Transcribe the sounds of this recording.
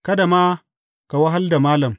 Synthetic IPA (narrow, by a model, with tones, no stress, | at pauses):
ka˦da˨maː˦ | ka˨wa˦ɦa˦lda˨maː˦lɐ˨m